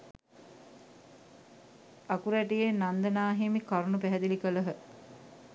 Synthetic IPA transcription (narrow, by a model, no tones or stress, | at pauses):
akuɾæʈijenand̪ənaːɦemikaɾunupæɦɛd̪ilikələɦə